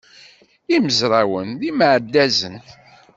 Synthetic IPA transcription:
iməzɾˤawənðimʕəd̪ːæzən

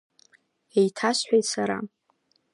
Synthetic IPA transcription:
ejtʰaʃħʷᶣejtsaɾa̰

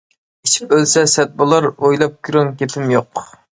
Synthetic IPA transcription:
it͡ʃʰi̥p̚ølsɛsɛt̪̚bolˠɑɾojlˠɑp̚kʲʰyɾoŋkʲepʰɪmjoq

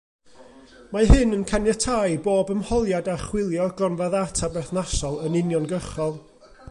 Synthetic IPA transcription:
maɦɨnənkʰanjatʰajboːbəmhɔlˠjadaχwɪlˠjɔɡlɔnvaðatʰabɛrθnasɔlˠənɪnjɔnɡəχɔlˠ

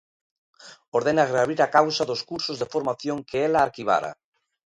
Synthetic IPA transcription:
oɾðenaɣeaβiɾakawsaðoskuɾsozðefoɾmaθjoŋkʰeelaːɾkiβ̞a̰ɾa̰

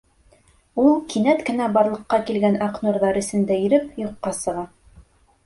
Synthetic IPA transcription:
ulˠkinæt̪kɘ̆næbɑɾlˠɤ̆qːɑkilɡænɑqnuɾðɑɾɘ̆sɘ̆nd̪æiɾɘpjŏqːɑsɤ̆ʁɑ

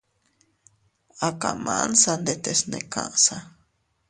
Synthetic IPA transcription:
akamansand̪et̪esnekaʔsa

